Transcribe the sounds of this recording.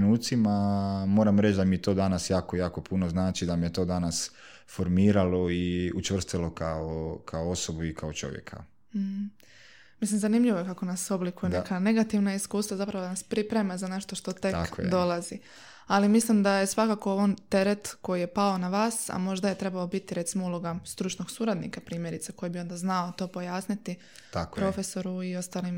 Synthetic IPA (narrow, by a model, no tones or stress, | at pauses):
nuːt̪simamo̞ːɾamɾe̞t͡ʃd̪amiet̪o̞ːd̪anasjaːkojaːko̞punoznaːt͡ʃid̪amijet̪o̞ːd̪anas | foɾmiːɾalo̞iut͡ʃʋr̩st̪ilo̞kaokʰaoo̞sobuikʰaot͡ʃo̞̰ʋjḛkʰa̰ | m̩h̩ | mislimzanimʎiʋojekako̞naso̞blikujenekane̞ɡat̪iʋnaiskuːst̪ʋazapɾaʋod̪anaspɾipɾemazane̞ʃt̪oʃt̪o̞t̪e̞k̪ako̰d̪o̞lˠazi | alimislimd̪aje̞sʋakaːkooʋont̪e̞ɾet̪ko̞jije̞paonaʋaːsa̰mo̞ʒd̪aje̞t̪ɾe̞baobit̪iɾe̞t̪simoulˠo̞ɡast̪ɾut͡ʃno̞ɡsuɾad̪nḭkapɾiːmje̞ɾit̪seko̞jibio̞nd̪aznaot̪o̞ːpojaːsnit̪i | t̪akopɾo̞feso̞ɾuio̞st̪aːlim